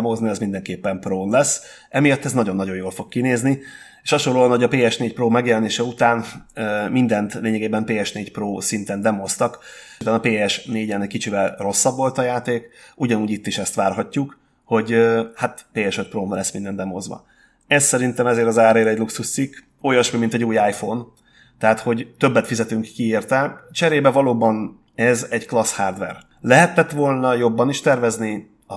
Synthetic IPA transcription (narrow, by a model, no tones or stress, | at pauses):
moːzniɛzmind̪ɛŋkeːpːɛmproːnlɛs | ɛmijɒt̪ːɛznɒɟonːɒɟo̞joːlfo̞kkːineːzni | eːʃhɒʃo̞lːoːɒnho̞ɟɒpeːɛʃneːc̚proːmɛɡjɛlɛneːʃɛut̪aːnøːmind̪ɛnt̪leːɲɛɡeːbɛmpeːɛʃneːcproːsint̪ɛnd̪ɛmost̪ɒk̪ | anɒpeːɛʃneːɟɛnɛckit͡ʃivɛlro̞sːɒbʋo̞lt̪ɒjaːt̪eːkuɟɒnuːɟit̪ːiʃɛst̪ʋaːrɦɒcːuk | ho̞ɟøhat̪peːɛʃøt̪̚proːmlɛsmind̪ɛnd̪ɛmozʋɒ̰ | ɛsːɛɾint̪ɛmɛzeːɾɒzaːɾeːɾɛɟluksuʃt̪sikː | ojɒʃmimint̪ɛɟuːjaːjfoːn | t̪ɛɦat̪ho̞ɟt̪øbːɛt̪fizɛt̪yŋkːieːrt̪ɛlt͡ʃɛɾeːbɛvɒloːbɒn | ɛzɛɟklɒshaːrd̪vɛ̰r | lɛɦɛt̪ːɛt̪ʋo̞lnɒjo̞bːɒniʃt̪ɛrvɛzni | ɒ